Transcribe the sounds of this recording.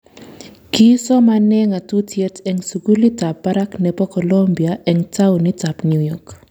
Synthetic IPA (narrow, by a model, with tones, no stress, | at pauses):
kisɔ˦manɛ˦ŋa˨tu˦tje˦tɛ˨ŋsuɡu˦li˦ta˨pːa˦ɾa˦knɛpɔ˦kɔ˨lombiaʔɛ˨ŋta˦uni˦ta˨pnjujɔk